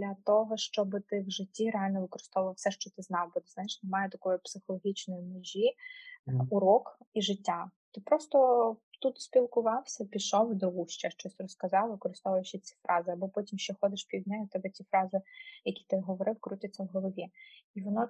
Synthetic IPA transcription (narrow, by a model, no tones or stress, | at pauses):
d̪lʲɐt̪ɔɦɔʃt͡ʃɔbɪt̪ɪwʒɪtʲːiɾeɑlʲnɔʋɪkɔɾɪ̥st̪ɔʋɐʋˠfsɛʃt͡ʃɔt̪ɪznɑwbɔt̪ɪznajɪʃnemɑjɛt̪ɐkɔjipsɪxɔlˠɔɦʲit͡ʃnɔjimɔʒʲi | uɾɔkiʒɪtʲːat̪ɪpɾɔst̪ɔt̪ut̪sʲpʲilˠkʊʋɑwsʲɐpʲiʃɔwd̪ɾʊɦuʃt͡ʃɛʃt͡ʃɔsʲrɔskɐzɑwʋɪkɔɾɪst̪ɔʋɐʋɐʃɪt͡sʲi̥fɾɑzɪɐbɔpɔtʲimʃt͡ʃɛxɔd̪ɪʃpʲiwdʲnʲajʊt̪ɛbɛtʲifɾɑzɪjɐkʲi̥t̪ɪɦɔʋɔɾɪwkɾutʲɐt͡sʲːɐwɦɔlˠɔʋʲiiʋɔnɔ